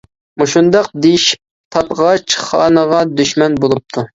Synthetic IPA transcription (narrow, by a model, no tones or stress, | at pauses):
muʃund̪ɑq̚d̪ejiʃi̥p̚ | t̪ʰɑt̪ʁɑt͡ʃʰχɑːnəʁɑd̪yʃmɛnbolˠup̚t̪ʰu